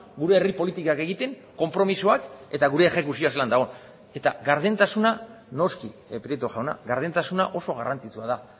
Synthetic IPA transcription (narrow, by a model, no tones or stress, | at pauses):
ɡuɾe̞ːripo̞lit̪ikake̞ɣit̪e̞ŋ | ko̞mpɾo̞misuake̞t̪aɣuɾe̞ːxe̞kusioaseland̪aɣon | e̞t̪a̰ɣaɾðe̞nt̪asuna | no̞skipɾet̪uʝawna̰ɣaɾð̞e̞nt̪asuna̰ʔo̞so̞ɣarant͡sit͡suað̞a